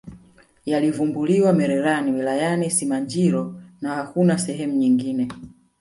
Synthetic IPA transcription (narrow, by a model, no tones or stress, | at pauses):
jalivumbuliwamɛɾɛɾaniwilajanisimaɲd͡ʒiɾɔnahakunasɛɦɛmuɲiŋɡinɛ